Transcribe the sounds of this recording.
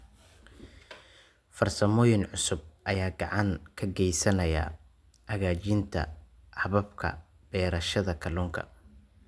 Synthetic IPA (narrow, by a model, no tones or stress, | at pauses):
fɐrsɐmɔːjɪnʕʊsʊb̚ʔɐjaːɡɑʕɑŋkʰɐɡɛjsɐnɐjɐ̰ | ʔɐɣaːt͡ʃɪnt̪ʰɐ̰ | ħɑβɐbkʰɐ̰ | b̥ɛːɾɐʃɐðɐkʰɐluːŋkʰɐ̰